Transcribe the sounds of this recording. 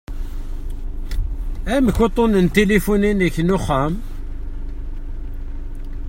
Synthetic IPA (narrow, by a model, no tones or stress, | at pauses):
æmkːut̪ˤonənt̪elifuninəçnuχæm